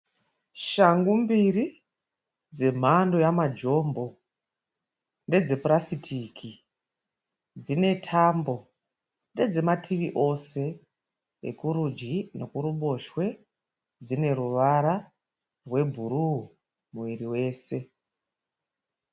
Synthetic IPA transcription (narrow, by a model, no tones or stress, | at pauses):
ʃaŋɡumbiri | d͡ze̞m̤ando̞jamad͡ʒo̞ːmbo̞ | nde̞d͡ze̞purasitʰikʰi | d͡zine̞tʰambo̞ | nde̞d͡ze̞matʰiʋiʔo̞se̞ | ḛkuɾud͡ʒɡino̞kuɾuɓo̞ʃwe̞ | d͡zine̞ɾuʋaɾa | rwe̞bʱuɾuu | muʋiriwe̞ːse̞